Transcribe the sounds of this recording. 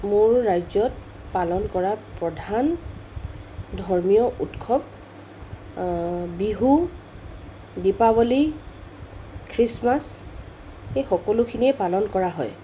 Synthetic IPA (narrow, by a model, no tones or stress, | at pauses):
mʊɹːajzɔt̚ | palɔnkɔɹapɹɔdʱan | dʱɔɹmijɔʔutkʰɔb̚ | biɦu | dipabɔli | kʰɹismas | exɔkɔlʊkʰiniɛpalɔnkɔɹaɦɔj